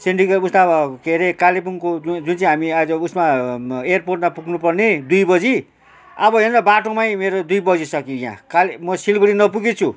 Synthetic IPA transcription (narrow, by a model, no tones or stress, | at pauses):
seɳʈikeust̪abʌkʰeɾekalepunkod͡zunt͡sãɦamiad͡zʌusmaejrporʈmapuɡnupʌrned̪ujbʌd͡zi | ʌbʌɦinɾʌbaʈomajmeɾod̪ujbʌd͡zisʌkijã̰kalmʌsilɡʌɽinʌpuɡet͡sʰu